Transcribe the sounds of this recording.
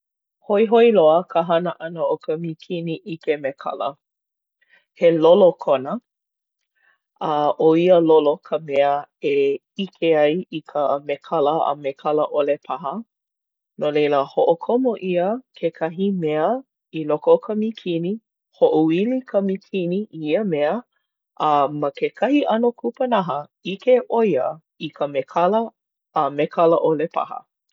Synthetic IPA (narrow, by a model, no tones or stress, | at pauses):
hoiɦoiloəkʰəɦɐnəʔɐnəokʰəmikʰiniʔikemekʰɐ̰lə̰ | helolokʰonə | ɐʔoiəlolokʰəmɛəe | ikʰeɐjikʰəmekʰɐləə̰mekʰɐlɐʔolepʰɐɦə | nolejləhoʔokʰomoʔiəkʰekʰɐɦimeə | ilokokʰɐmikʰini | hoʔoilikʰɐmikʰiniʔiiəmeə | ʔəmɐkekʰɐhiʔɐnokʰupɐnɐɦəikeʔojə | ikʰəmekʰɐlə | əmekʰɐləʔolepʰɐ̰hə̰